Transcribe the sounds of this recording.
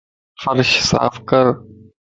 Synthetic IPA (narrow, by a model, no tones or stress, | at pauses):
fəɾʃsa̰ːfkəɾ